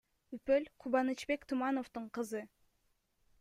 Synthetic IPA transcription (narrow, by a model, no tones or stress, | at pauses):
ypølʲqʰuβɑnɨt͡ʃbe̞kt̪ʰumɑno̞ft̪uɴqʰɯzɯ